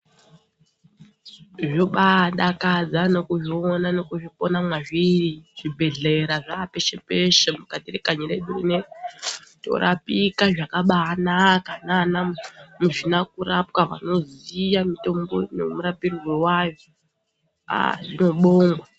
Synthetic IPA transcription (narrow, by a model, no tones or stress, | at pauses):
ʐoɓaɗakad͡zano̞kuʐionano̞kuʐipo̞namwaʐiriʐ̥ibʱe̞ɮe̞ɾaʐapeʃepe̞ʃemukatiɾekaɲiɾeɗurḭne | to̞̰ɾʔapikaʐakaɓaːnakananamuʐinak̚uɾapkaʋa̰no̞zijamito̞mbo̰nḛmuɾapirirwewajo | a̰ʐino̞ɓoːŋɡwa